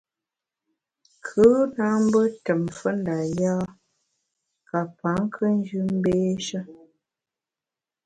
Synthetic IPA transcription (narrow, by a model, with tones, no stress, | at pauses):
kʰə˨˦na˦m̩˦bə˦tə˨mfə˦n˦da˨ja˦ | ka˨pa˨˦ŋ˦kʰə˦n˦d͡ʒʉ˦m̩˦beː˦ʃə˦